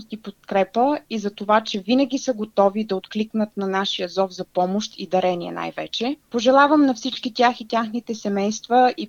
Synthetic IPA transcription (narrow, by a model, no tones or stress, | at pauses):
st̪ipot̪̚kɾɛpəizɐt̪ovat͡ʃɛvinəɡʲisəɡot̪ɔvid̪ɐot̪kliknət̪nɐnaʃijəzɔvzɐpɔmoʃt̪id̪ɐɾɛniɛ̰na̰jvɛ̰t͡ʃɛpoʒɛlˠavəmnɐfsit͡ʃkit̪ʲjaxit̪ʲjaxnit̪ɛsɛmɛjst̪vəi